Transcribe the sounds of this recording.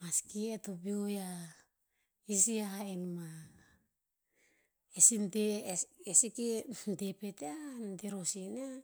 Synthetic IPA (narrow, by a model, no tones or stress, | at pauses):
maskietopioja | isiahainma | esinteesikentepeteanteɾosina